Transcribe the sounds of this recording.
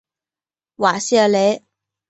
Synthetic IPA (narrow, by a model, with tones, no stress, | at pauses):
waː˨˩si˥a˧le˨˦